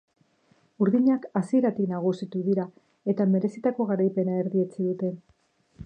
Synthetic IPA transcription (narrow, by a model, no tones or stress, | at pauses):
uɾðiɲakasie̞ɾat̪iknaɣ̞usit̪uðiɾa | e̞t̪ame̞ɾe̞sit̪ako̞ɣ̞aɾajpe̞nae̞ɾðie̞t͡siðut̪e̞n